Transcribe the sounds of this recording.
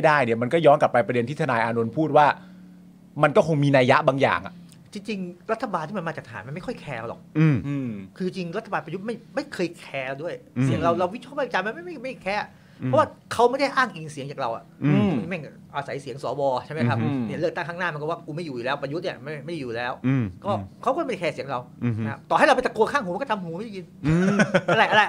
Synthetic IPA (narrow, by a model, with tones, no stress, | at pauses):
jdaː˥˩jni˥˩ɐma˧nkɔː˥˩jɔː˦˥nka˨˩pːa˧jpɾa˧de˧nt̪ʰiː˥˩t̪ʰa˧naː˧jʔaː˧nu˧npʰuː˥˩t̪̚waː˥˩ | ma˧nkɔː˥˩kʰo˧ŋmiː˧naː˧ja˦˥ʔbaː˧ŋja̰ː˨˩ŋʔa̰˨ʔ | t͡ɕi˧ŋt͡ɕi˧ŋɾa˦˥t̪ʰːa˧baː˧nt̪ʰiː˥˩a˧ma˧a˨˩kt̪ʰa˨aː˩˦m˧nma˥˩jkʰɔ˥˩jkʰɛː˧a˧˩lɔ̰˨˩k̚ːkʰɯ˧t͡ɕi˧ŋt͡ɕi˧ŋɾa˦˥t̪ʰːa˧baː˧npa˧ju˦˥t̪̚ma˥˩jma˥˩jkʰɤː˧jkʰɛː˧du˥˩əjsi˨˩˦əŋɾa˧wɾa˧wi˦˥ɔː˥˩pa˥˩˨t͡ɕa˧ma˧nma˥˩jma˥˩jma˥˩kʰɛː˧˩ | pʰɔ˦˥waː˥˩kʰa˦˥wma˥˩jda˥˩jʔaː˥˩ŋʔi˨nsi˨˩˦ŋt͡ɕaː˨˩ɾa˧wʔa̰˨˩i˧˩mɛ˥˩ŋ˩ʔa˧sa˩˦jsi˩˦əŋsɔ̰ː˩˦bɔː˧t͡ɕa˥˩jma˦˥jkʰa˦˥p̚ni˥˩lɯ˥˩k̚t̪a˥˩ŋkʰaː˥˩naː˥˩ma˧nkɔː˥˩waː˥˩kuː˧˦ma˥˩juː˨˩uː˨˩lɛː˦˥wpa˧ju˦t̪̚nḭ˦˥˩ma˥˩ma˥˩ja˥˩juː˨˩lɛː˦˥wkɔː˥˩kʰa˦wkːɔ˥˩m˦˥˩a˥˩kʰɛː˧si˨˩˦əŋɾa˧wna˦kʰa̰˦˥p̚t̪ɔː˨˩ha˥˩jɾa˧wpe˨˧t̪a˧ku˧kʰaː˥˩ŋɦuː˨˦˧kɔ˥˩t̪ʰa˧mɦuː˨˦ma˥˩da˥˩ji˧n˧ | a˧ɾa˧jʔa˧ɾa˧j